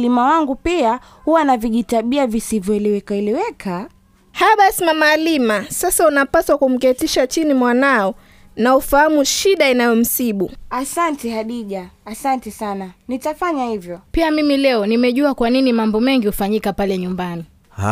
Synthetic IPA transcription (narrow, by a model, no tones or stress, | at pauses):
limawaŋɡupia | huwanaviʄitaɓiavisivjɔɛliwɛkaɛliwɛkʰa | haɓasimamalimasasaunapaswakum̩kɛtiʃat͡ʃinimwanaɔ | naufahamuʃiɗainajɔm̩siɓuasantihaɗiʄaːsantɛsananitafaɲahivjɔpiamimilɛɔnimɛʄuakwaninimambɔmɛŋɡihufaɲikapalɛɲumbani